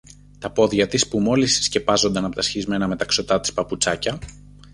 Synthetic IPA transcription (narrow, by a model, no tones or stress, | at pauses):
t̪ɐpo̞ðʝɐt̪ispumo̞lissce̞pɐzo̞nd̪ɐnɐpot̪ɐsçizme̞nɐme̞t̪ɐkso̞t̪ɐt̪i̥spɐput͡sɐcɐ